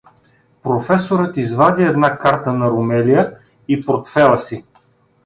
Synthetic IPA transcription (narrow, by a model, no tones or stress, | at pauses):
pɾofɛsoɾət̪izvad̪ʲiɛd̪nakaɾt̪ənɐɾomɛlijə | ipoɾt̪fɛlˠəsi